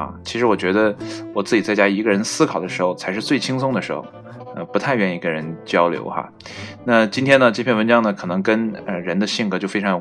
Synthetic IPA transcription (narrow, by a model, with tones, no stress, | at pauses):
a̰˥˧t͡ɕʰi˧˥ʂɻ̩˧˥wɔ˨˩t͡ɕɥɛ˧˥d̪ə˧wɔ˨˩t͡sɹ̩˥˩t͡ɕi˨˩t͡sa˥˩ɪt͡ɕja˥i˧˥ɡə˧ɻə˧˥nsɹ̩˥kʰɑ˨˩ʊd̪ə˦ʂɻ̩˧˥xo˧ʊt͡sʰa˧˥ɪʂɻ̩˥˧t͡swe˥˩ɪt͡ɕʰi˥ŋsʊ˥ŋd̪ə˨˩ʂɻ̩˧˥xo̰˧ʊ | ə̰˧pu˧˥t̪ʰa˥˧ɪɥɛ˥˩ni˧˥ɡə˥˧ɻə˧˥nt͡ɕjɑ˥ʊljo̰˧˥ʊxa̰˧ | na˥˩t͡ɕi˥nt̪ʰjɛ˥nə˨ʈ͡ʂɤ˥˧pʰjɛ˥˩nwə˧˥nt͡ɕɑ˥ŋnə˨˩kʰɤ˨˩nɤ˧˥ŋkə˥nə˧ɻə˧˥nd̪ə˧ɕi˥˩ŋkɤ˧˥t͡ɕjo˥˩ʊfe˥ɪʈ͡ʂʰɑ˧˥ŋ˧˩